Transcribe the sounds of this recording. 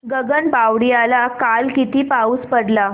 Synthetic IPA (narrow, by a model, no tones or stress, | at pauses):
ɡəɡəɳbaʋɽijalakalkit̪iːpauːspəɽla